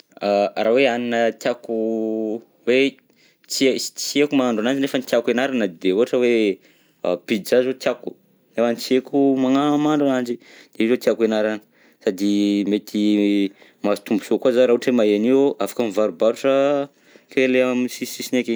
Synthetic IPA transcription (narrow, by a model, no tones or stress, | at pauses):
araweaninət̪jaku | we | t͡siei̥t͡siekumaaɳɖ͡ʐanand͡ʒinefənit̪jakenaɾanəd̪euaʈ͡ʂəwe | a̰b̥id̪izazot̪jaku̥ | nefanit͡siekumaŋaamaɳɖ͡ʐanand͡ʒi | d̪̥eizot̪jakenaɾanə | sad̪imet̪ʰi | mazit̪umbusokuazaɾaɦuʈ͡ʂemaeaniʔafḁkəmivaɾubaɾuʈ͡ʂə | keleamsisisineke